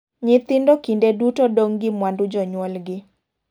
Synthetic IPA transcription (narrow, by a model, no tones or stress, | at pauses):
ɲɪt̪ɪndɔkindedutodoŋɡɪmwandud͡ʒɔɲwɔlɡɪ